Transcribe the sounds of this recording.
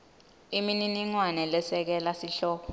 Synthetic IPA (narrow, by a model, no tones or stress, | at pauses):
imininiŋwanɛlɛsɛk̬ɛlasiɬɔːk̬ɔ